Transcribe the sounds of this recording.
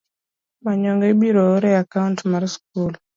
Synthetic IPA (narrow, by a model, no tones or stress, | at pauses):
maɲɔŋɡɛibiɾɔːɾɛakaʊntmaɾsk̚ul